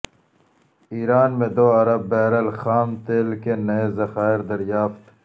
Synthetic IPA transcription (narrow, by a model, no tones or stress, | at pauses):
iːɾaːnmẽd̪oːɐɾɐbːɛːɾɐlxaːmt̪eːlkenɐezɐxaːɪɾd̪ɐɾjaːft̪